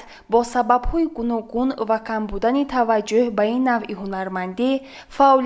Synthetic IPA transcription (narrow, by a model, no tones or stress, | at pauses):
bɔsababhɔiɡunɔɡunvakʰambud̪anit̪ʰavad͡ʒːuhbainːaviɦunaɾmand̪i | faʔɔl